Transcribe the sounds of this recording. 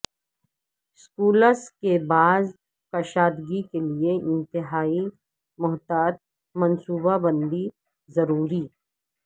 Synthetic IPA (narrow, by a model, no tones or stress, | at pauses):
skuːləɾskebaːz | kɐʃaːd̪ɡikelieʔɪ̃nt̪ɪɦaːi | mʊɦt̪aːt̪̚ | mɐ̃nsuːbabɐ̃nd̪i | zɐɾuːɾi